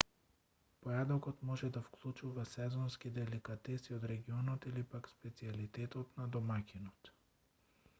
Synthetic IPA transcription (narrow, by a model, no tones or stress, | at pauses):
pɔjad̪ɔkɔt̪mɔʒɛd̪afklˠut͡ʃuvasɛzɔnskid̪ɛlikat̪ɛsiod̪ɾɛɡiɔnɔt̪ilipakspɛt̪sialit̪ɛt̪ɔt̪nad̪ɔmakʲinɔt̪